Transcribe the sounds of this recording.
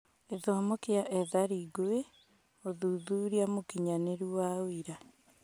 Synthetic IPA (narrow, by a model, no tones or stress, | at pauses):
eðoamokeaʔɛðaɾiɡoe | oðuːðuːɾiamokiɲaneɾuwaoiɾa